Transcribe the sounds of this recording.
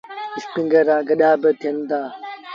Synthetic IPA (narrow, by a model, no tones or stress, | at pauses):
ɪspiŋɡɐɾaːɡɐɗaːbət̪ʰijɐnd̪aː